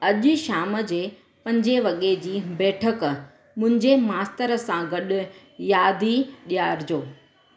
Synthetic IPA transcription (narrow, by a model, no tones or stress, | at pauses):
ɐʄʊʃaːməd͡ʑeː | pɐ̃ɲd͡ʑeʋɐɠed͡ʑiːbɛːʈʰək | mʊ̃ɦɪ̃ɲd͡ʑemaːst̪əɾəsãɡɐɗʊ̆ | jaːd̪ʱiɗijaːɾd͡ʑoː